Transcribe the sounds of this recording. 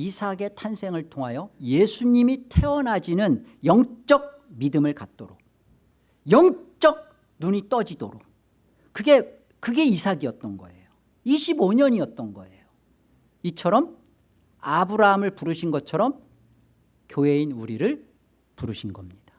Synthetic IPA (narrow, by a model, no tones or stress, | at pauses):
isʰaɡe̞tʰansʰe̞ŋɯɭtʰoŋɦajʌjesʰuɲimitʰe̞wʌnɦad͡ʑinɯn | jʌŋt͡ɕ͈ʌk̚ | midɯmɯɭkat̚t͈oɾok | jʌŋt͡ɕ͈ʌk̚ | nuɲit͈ʌd͡ʑido̰ɾok̚ | kɯɡe̞ | kɯɡe̞isʰaɡiʌt̚t͈ʌnɡʌ̰e̞̰jo | iɕʰiboɲʌɲiʌt̚t͈ʌnɡʌ̰e̞jo | it͡ɕʰʌɾʌm | abuɾaɦamɯɭpuɾɯɕʰinɡʌt͡ɕʰʌɾʌm | kjoɦe̞inuɾiɾɯɭ | puɾɯɕʰinɡʌmɲid̥ḁ